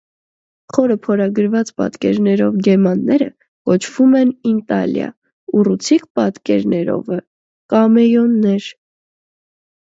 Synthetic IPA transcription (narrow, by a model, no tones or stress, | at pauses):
χɔɾəpʰɔɾɑɡəɾvɑt͡spɑ̰t̪kɛɾnɛɾɔvɡɛmɑnːɛɾə̰ | kɔt͡ʃʰv̥umɛnint̪ɑ̰ljɑ̰ | urut͡sʰikpɑt̪kɛɾnɛɾɔ̰və | kɑmɛjɔnːɛɾ